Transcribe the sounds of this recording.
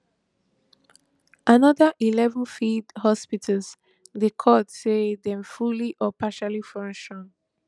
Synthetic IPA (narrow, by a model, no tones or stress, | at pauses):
ʔanɔðəʔilɛvə̃nfidhɔspitʰəlz | dekʰɔtsedɛ̃mfuliʔɔpʰaʃalifɹɔ̃ŋʃɔn